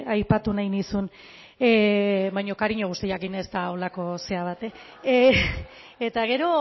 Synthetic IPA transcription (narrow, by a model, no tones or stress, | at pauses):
ajpat̪unajnisun | βajɲo̞kaɾiɲo̞ɣust̪iakinest̪aolako̞se̞aβ̞at̪e | et̪aɣ̞e̞ɾo̞